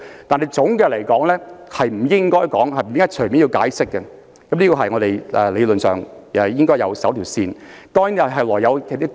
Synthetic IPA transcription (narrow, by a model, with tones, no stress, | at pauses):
t̪aː˨nɦɐ˨˩jt͡sʊ˨˥ŋɡɛː˧lɐ˨˩jkɔː˨˥ŋlɛː˥hɐ˨jm̩˨˩jɪ˥ŋkɔː˥jkɔː˨˥ŋhɐ˨jm̩˨˩jɪ˥ŋkɔː˥t͡ʃʰɵ˨˩jmi˨˥nji˧wkaː˨˥jsɪ˥kːɛ˧ | kɐ˨˥mliː˥kɔː˧ɦɐ˨jŋɔː˨˧ɾe˨jʔɛ˨˧le˨˧lɵ˨nsœː˨˩ŋː˨˩jɪ˥ŋkɔː˥jɐ˨˧wsɐ˨˥wt̪ʰiː˨˩wsiː˧nt̪ɔː˥ŋji˨˥nɐ˨ɦɐ˨jlɔː˨˩jɐ˨˧wʰɛː˨˧˥t̪ːi˥